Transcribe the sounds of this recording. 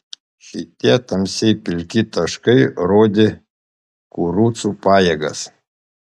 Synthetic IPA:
ʃʲɪt̪ʲiɛt̪ɐmʲsʲɛɪpʲɪlʲkʲɪt̪ɐʃkɐɪɾoːd̪ʲɪ | kuːɾuːt̪supɑːjeɡɐ̰s

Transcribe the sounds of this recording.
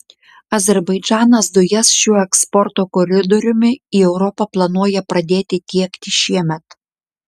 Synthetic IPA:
ɐzʲɛɾbɐɪd͡ʒʲæːnɐsd̪ʊjɛsʃʲuːɛkspɔɾt̪oːkɔɾʲɪd̪ɔɾʲʊmʲɪiːɛʊɾɔpɐplˠɐnuɔjɛpɾɐd̪ʲeːt̪ʲɪt̪ʲiɛkt̪ʲɪʃʲiɛmʲɛt̪

